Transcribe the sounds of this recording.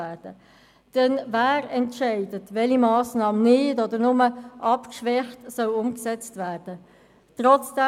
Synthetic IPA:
æd̥ə | d̥ɛnvæːɾɛntʃæɪdətvɛlimɑːsnɑːmnɪdɔdəɾnʊməʔɑpkʃʋɛχtsœlʊmksɛt͡stvæːɾd̥ə | tʁɔt͡sd̥ɛ

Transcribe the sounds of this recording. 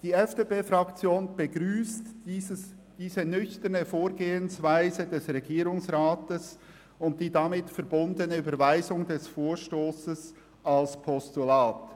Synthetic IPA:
d̥iːɛfd̥eːpeːfʁɑkt͡sjoːnb̥əɡɾyːstːə | d̥iːzənʏçtənəfoːɾɡeːənsvaɪzədɛsʁɛɡiːɾʊŋsʁaːtəs | ʊnt̚d̥iːdɑmɪtfɛɐbʊndənəyːbəvaɪzʊŋdɛsfoːɹʃtoːsəs | ɑlspʰɔstulaːt

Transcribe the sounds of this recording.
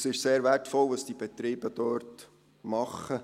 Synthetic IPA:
sɪʃseːɾʋɛtfɔlʋɑsd̥ib̥ɛt̪ɾiːb̥əd̥øːɾt | mɑχə

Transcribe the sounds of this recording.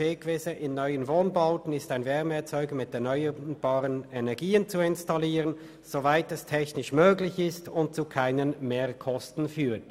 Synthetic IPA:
eːkv̥ɛsəʔɪnːɔʏənvoːnbaʊtn̩ɪstaɪnvɛʁmɛɐt͡sɔʏɡəmɪtɛɐnœʏəb̥ɑːʁənɛnɛɐɡiːənt͡suɪnstaliːʁən | z̥ovaɪtɛstʰɛçnɪʃmøːɡlɪçɪstʊnt̚t͡sukʰaɪnənmeːkʰɔstn̩fyːɐt

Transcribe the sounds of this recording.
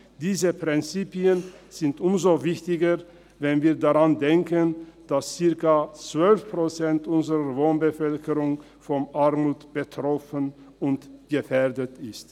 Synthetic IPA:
d̥iːzəpʁ̥ɪnt͡siːpiənz̥ɪntʔʊmzovɪçtɪɡɐ | vɛnviːɐdaʁandɛŋkənd̥ast͡sɪɐkɐt͡sv̥œlfpʁ̥ot͡sɛntʔʊnzəʁəvoːnbəfœlkəʁʊŋ | fɔmʔaʁmuːtb̥ətʁ̥ɔfən | ʊntɡ̥əfɛɐdətɪst

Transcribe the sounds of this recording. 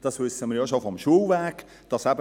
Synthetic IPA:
d̥ɑsʋʏsːəmiːɾjoʃofɔmʃuːwvɛːk | d̥ɑsæbə

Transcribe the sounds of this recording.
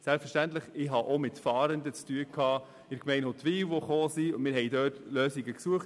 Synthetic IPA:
sɛlpfəʃtæntləχɪɦɑʔomɪtfɑːɾənd̪ət͡styːəkʰɑː | ɪɾkmɛɪnot̪ʋiːwʋoχoːsiʊmɪːɾɦɛjdœːtløːsiɡəksuəχt

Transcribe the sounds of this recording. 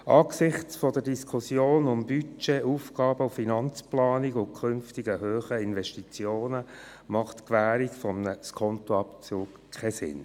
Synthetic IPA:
ʔɑːksɪχt͡sfɔdədiskʰʊsjoːnʊmbyt͡ʃeʔuːfɡɑːbəʊfinɑnt͡splɑːniɡʊkʰχʏnftiɡəhøːχəɪnvɛʃtit͡sjoːnə | mɑχtkʋæːɾikfɔmnəskʰɔnt̪oɑpt͡suːk | kʰɛsɪ̰n

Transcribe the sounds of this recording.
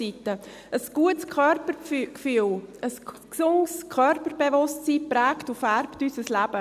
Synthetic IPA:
itə | əsɡ̥uətskʰœɾpəɾkfyːələsksʊŋskʰœrpəɾbevʊstsiːpɾɛːktufæɾptysəslæb̥ə

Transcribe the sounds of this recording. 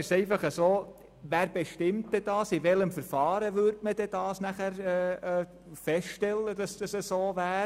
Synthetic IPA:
sɛɪfɑχəsoː | ʋæːɾb̥eʃtɪmtːɛd̥ɑːsɪʋɛləmfəɾfɑːɾəʋʏɾdməd̥ɛd̥ɑːsnæχæɾɛː | fɛsʃtɛlːəd̥ɑsd̥ɑsəsoːvæː

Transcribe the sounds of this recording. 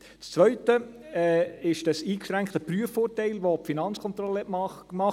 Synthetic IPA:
t͡st͡svœʏtə | ɛɪʃd̥əsiːkʃɾæŋkt̪əpryəfoːɾtɛɪlʋopfinɑnt͡skʰɔnt̪ɾɔlːəɛtm | mɑ

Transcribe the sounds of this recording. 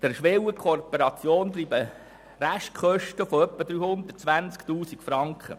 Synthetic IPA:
d̪̥əɾʃʋewəkʰopəɾɑt͡sjoːnt̪riːbə | ræʃtkʰχœʃtəfoœpːəd̪ɾyːhʊnd̪ət̚t͡sʋænsktuːsikfɾɑŋkχə̰

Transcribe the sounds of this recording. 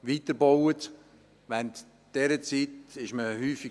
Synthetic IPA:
ʋiːtəɾbɔwət | ʋɛnt | d̥ɛɾət͡siːtɪʃməhyːfi

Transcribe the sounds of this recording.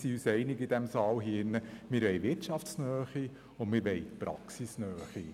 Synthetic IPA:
siysɛɪnɪɡɪd̥̪ɛmsɑːwɦiɪnːəmɪɾʋɛɪʋɪɾtʃɑfsnœːχi | ʊnmɪɾʋɛɪtpɾɑ̰ksisnœːχi

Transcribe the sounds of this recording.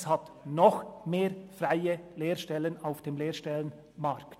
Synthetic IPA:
shɑt | nɔxmeːɾfʁaɪəleːɾʃtɛlənaʊfd̥eːmleːʃtɛlən | mɑʁkt

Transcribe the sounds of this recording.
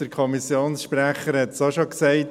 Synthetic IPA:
əɾkʰɔmisjoːnsʃpræχəɾhɛt̪sɑʃoksɛɪt

